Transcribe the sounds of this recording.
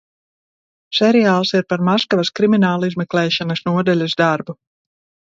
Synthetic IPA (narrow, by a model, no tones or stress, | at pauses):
sɛɾijaːlˠsiɾpaɾmaskavɐskɾiminaːlˠizmɛklɛːʃanɐsnuɔd̪alʲuzd̪aɾbu